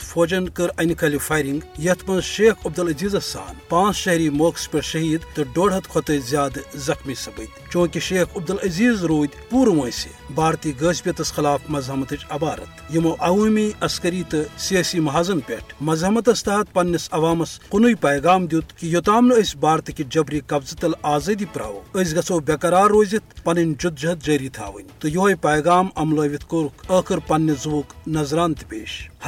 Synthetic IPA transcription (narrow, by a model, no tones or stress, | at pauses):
t̪fʰoːd͡ʒɐnkɨɾɐnikʰɐlʲifɐːjɾiŋɡjɐt̪ʰmɐnzʃeːkʰɐb̚d̪ɐlɐziːzɐsa̰ːnpãːt͡sʃɐɦɾiːmoːkspʲɐɾʃɐɦiːd̪t̪ɨɖoːɽɦɐt̪kʰot̪ɐzʲjaːd̪zɐxmisɐbɨt̪ʲt͡ʃõːkiʃeːkʰɐbd̪ɐlɐziːzɾuːd̪ʲpuːɾmoːjsʲḭ | baːɾt̪iɡəːsʲpʲɐt̪ɐsxɐlaːfmɐzɦɐmɐt̪ɨt͡ʃʲɐbaːɾɐ̰t̪jimoʔɐʋumiʔɐskɐɾiːt̪ɨseːsimɐɦazɐnpʲḛʈʰmɐzɦɐmɐt̪̬ɐst̪ɐɦɐt̪̚pɐnːɐsɐʋaːmɐsqunujpɐjɡaːmd̪ʲuːt̪kijot̪aːmlɨəsʲbaːɾt̪ɨkid͡ʒɐbɾiːkɐbzɨt̪ɐlaːzɐd̪ipɾa̰ːʋo̰əs̬ʲɡɐt͡soːbʲɐkɐɾaːɾːoːzit̪̚pɐnɐnʲd͡ʒud̪̚d͡ʒɐɦɐt̪̚d͡ʒɐːɾiːt̪ʰa̰ːʋɨ̰nʲt̪ɨjoɦɐjpɐjɡaːmɐmlɐːʋʲit̪ʰkoɾukʰəːkʰɨɾpɐnːɐzuʋuːknɐzɾaːnt̪pʲḛːʃ